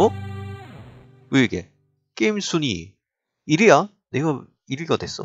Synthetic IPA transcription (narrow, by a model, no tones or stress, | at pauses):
o | weɡḛ | k͈eimsʰuɲḭ | iɾɯja | neɡʌ | iɾɯɭɡʌdwes͈ʌ̰